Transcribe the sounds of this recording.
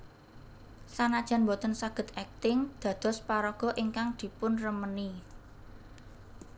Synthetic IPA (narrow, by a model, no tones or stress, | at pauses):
sanad̥ʒ̥a̤nbɔt̪ənsaɡ̥ə̤t̪̚ɛk̚t̪ɪŋd̪̥ä̤d̪̥ɔ̤spaɾɔɡ̥ɔ̤ʔiŋkaŋd̪̥i̤pʊnrəməni